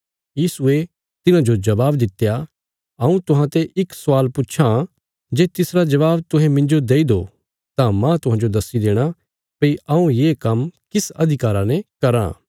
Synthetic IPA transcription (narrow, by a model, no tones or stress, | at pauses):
jiːsʊe | t̪ɪnãd͡ʒod͡ʒɐbaːbd̪ɪt̪ːja | ɐũt̪ʊɦãt̪eʔɪksʊʋaːlpʊːʃʰã | d͡ʒeːt̪ɪsɾad͡ʒɐʋaːbt̪ʊ̃ɦɛ̃mɪ̃nd͡ʒod̪eːid̪o | t̪ãmãt̪ʊɦãːd͡ʒod̪ɐsːid̪eːɽ̃a | pɐiʔɐũjekɐmkɪsɐd̪ʱɪkaːɾanɛkɐɾã̰ː